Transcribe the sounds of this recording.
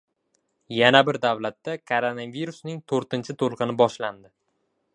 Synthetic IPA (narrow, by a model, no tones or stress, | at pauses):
janabɪɾd̪avlat̪ːakʰoɾonaviɾusnɪŋt̪ʰoɾt̪ɪnt͡ʃʰɪt̪ʰolˠqɨnɪbɒʃland̪ɪ